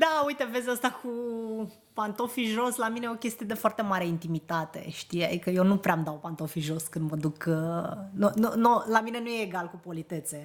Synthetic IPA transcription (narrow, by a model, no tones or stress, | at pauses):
d̪aujt̪eve̞zʲəst̪aku | pant̪o̞fiʒo̞slaminejokʲe̞st̪ije̞d̪e̞foart̪e̞maɾeint̪imit̪at̪e̞̰ʃt̪ija̰d̪ikəjewnupɾeamd̪aopant̪o̞fiʒo̞skɨnd̪məd̪ukənununolamine̞nujeːɡalkupo̞lit̪e̞t̪se̞